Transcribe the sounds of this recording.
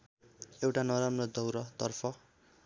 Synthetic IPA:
ewʈanʌɾamrʌd̪ʌwɾʌt̪ʌrpʰʌ

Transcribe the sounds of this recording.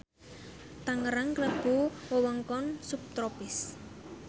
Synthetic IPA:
t̪aŋəɾaŋkləb̥ṳwəwɔŋkɔnsup̚t̪ɾopɪs

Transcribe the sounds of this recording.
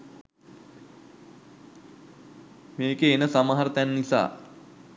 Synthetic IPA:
meːkeːnəsamaɦaɾət̪ænːisa̰ː

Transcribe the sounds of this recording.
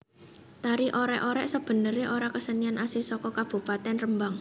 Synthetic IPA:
t̪aɾiʔoɾɛʔoɾɛʔsəb̥ə̤nəɾeʔoɾakəsənianʔasisɔkɔkab̥ṳpat̪ɛnrəmbaŋ

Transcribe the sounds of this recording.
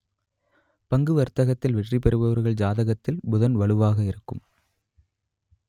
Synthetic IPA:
pɐŋɡɯʋɐɾt̪ːɐɣɐt̪ːɪlʋɛʈripɛɾɯʋɐʋɐɾɣɐɭd͡ʒaːðɐɣɐt̪ːɪlmʊðɐnʋɐɭɯʋaːɣɐɪɾɯkːɯm

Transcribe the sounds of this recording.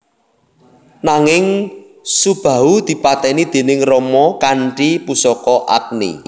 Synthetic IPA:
naŋɪŋ | sub̥ä̤ud̪̥i̤pat̪ɛnid̪̥e̤nɪŋrɔmɔkaɳʈipusɔkɔʔa̰k̚nḭ

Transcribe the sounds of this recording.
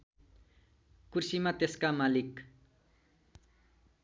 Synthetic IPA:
kursimat̪eskamalik

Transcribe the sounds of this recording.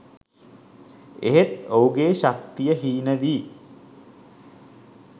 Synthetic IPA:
ḛɦet̪owɡeːɕakt̪ijəɦiːnəʋiː

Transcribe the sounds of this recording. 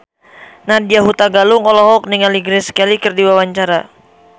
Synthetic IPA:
nadiaɦut̪aɡalʊŋɔlɔɦɔk̚niŋaliɡɾɛskalikɨrdiwawaɲt͡ʃaɾa

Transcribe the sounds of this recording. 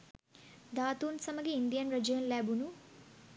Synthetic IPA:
d̪aːt̪uːnsɐmɐɡiind̪ijɐnɾɐd͡ʒjɐnlaːbunu

